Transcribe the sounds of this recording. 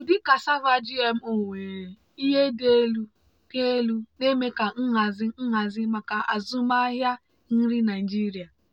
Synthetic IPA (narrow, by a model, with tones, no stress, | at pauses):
dɪ˦ka˨sa˦va˦d͡ʒi˦e˦m̩˦o˨ŋʷe˨ | i˦ɦe˦de˦lu˦ | ke˦lu˦ne˦me˦ka˨ŋ̩˦ɦa˨zɪ˦ŋ̩˦ɦa˨zɪ˦ma˨ka˨ʔa̰˨zu˦ma˦ɦja˦ | n̩˦ɾɪ˦na˨i˨d͡ʒi˦ɾi˨a˨